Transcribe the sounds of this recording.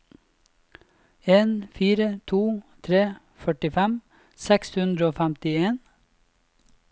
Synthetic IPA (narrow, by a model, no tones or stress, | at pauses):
eːnfiːɾət̪ʰuːt̪ʰɾeː | fœʈɪfɛm | sɛkshʉnd̪ɾəoːfæmt̪ɪeːn